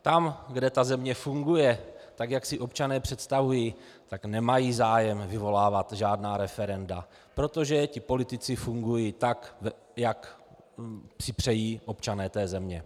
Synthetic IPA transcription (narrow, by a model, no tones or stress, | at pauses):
t̪amɡdɛt̪azɛmɲɛfuŋɡujɛt̪akjaksɪʔo̞pt͡ʃanɛːpr̝̥ɛt̪st̪avujiː | t̪aknɛmajiːzaːjɛmvɪvo̞laːvat̪ʒaːdnaːɾɛfɛɾɛnda | pɾo̞t̪o̞ʒɛcɪpo̞lɪt̪ɪt͡sɪfuŋɡujiːt̪akv | jak | pr̥ɪpr̝̥ɛjiːʔo̞pt͡ʃanɛːt̪ɛːzɛmɲɛ